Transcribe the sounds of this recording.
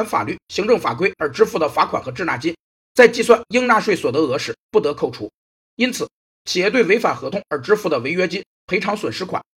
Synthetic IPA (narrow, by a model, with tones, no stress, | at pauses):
nfa̰˨˩ly˥˩ɕi˧˥ŋʈ͡ʂɤ˥˩ŋfa̰˨˩k̬we˥ɪə˞˧˥ʈ͡ʂɻ̩˥fu˥˩d̪ə˩fa˧˥kʰwa˨˩nxɤ˧˥ʈ͡ʂɻ̩˥˧na̰˥˩t͡ɕi˥ | t͡sa˥˧ɪt͡ɕi˥˧swa˥˩nji˥ŋna˥˧ʂwe˥˩ɪswɔ˨˩d̪ə˧˥ɤ˧˥ʂɻ̩˧˥pu˥˩t̪ɤ˧˥kʰo˥˩ʊʈ͡ʂʰu˧˥ | i˥nt͡sʰɹ̩˨˩ | t͡ɕʰi˨˩jɛ˥˧t̪we˥˩ɪwe˧˥ɪfa˨˩nxɤ˧˥t̪ʰʊ˥ŋə˞˧˥ʈ͡ʂɻ̩˥fu˥˩d̪ə˩we˧˥ɪɥɛ˥t͡ɕi˥ | pʰe˧˥ɪʈ͡ʂʰɑ˧˥ŋswə˨˩nʂɻ̩˥kʰwa̰˨˩˦